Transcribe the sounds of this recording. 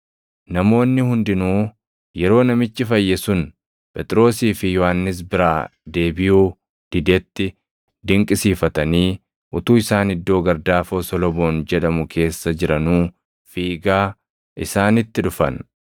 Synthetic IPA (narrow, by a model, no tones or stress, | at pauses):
nɐmo̞ːnːɪhʊnd̪ɪnuː | jɛɾo̞ːnɐmɪt͡ʃːɪfɐjːɛsʊn | pʼɛt̪ʼɪɾo̞ːsiːfɪjɔhanːɪs̬bɪɾaːd̪e̞ːbɪjuː | d̪̥ɪd̪ɛt̪ːɪ | d̪ɪŋkʼɪsiːfɐt̪ɐniː | ʔʊt̪uːɪsaːnɪd̪ːo̞ːɡɐɾd̪aːfoːsɔlɔbo̞ːnd͡ʒɛᶑɐmʊkʰe̞ːsːɐd͡ʒɪɾɐnuː | fiːɡaː | ʔɪsaːnɪt̪ːɪᶑʊfɐ̰n